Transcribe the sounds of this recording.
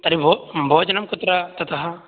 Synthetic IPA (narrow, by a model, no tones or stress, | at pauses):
t̪ɐɾibʱobʱoːd͡ʒɐnɐmkʊt̪ɾɐt̪ɐt̪ɐɦɐ